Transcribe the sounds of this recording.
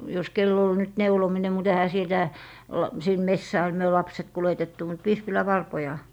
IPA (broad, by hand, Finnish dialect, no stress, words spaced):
jos kelː ol nyt neulomine mut ehæ sitæ olːɑ sin mesːæː myø lɑpset kuletetːu mut ʋispilæʋɑrpojɑ